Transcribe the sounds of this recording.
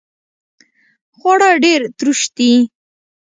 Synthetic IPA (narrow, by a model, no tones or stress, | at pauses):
xwaɽaɖeɾt̪ɾuʃt̪i